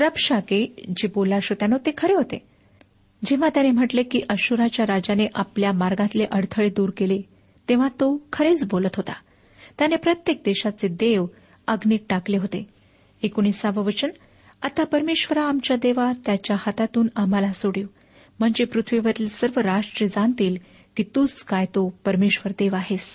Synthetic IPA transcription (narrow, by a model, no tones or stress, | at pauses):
ɾəpʂaked͡ʑebolaɕot̪janot̪ekʰəɾeɦot̪ḛ | d͡ʑeʋ̤ãt̪janem̤əʈlekiːʔəɕuɾat͡ɕjaɾad͡ʑaneʔapljamaɾɡãt̪leʔəɽt̪ʰəɭed̪uːɾkele | t̪eʋ̤at̪okʰəɾet͡sbolət̪ɦot̪a | t̪janepɾət̪jek̚d̪eɕat͡sed̪eʋ | əɡniːʈ̚ʈakleɦot̪e | ekuñisaʋəʋət͡ɕən | at̪apəɾmeɕʋəɾaːmt͡ɕjad̪eʋat̪jat͡ɕjahat̪at̪uːnamalasoɽiw | m̤əɳd͡ʑepɾut̪ʰʋiʋəɾt̪ilsəɾʋəɾaʂʈɾijəd͡zant̪iːl | kiːt̪uːt͡skajt̪opəɾmeɕʋəɾd̪eʋaɦes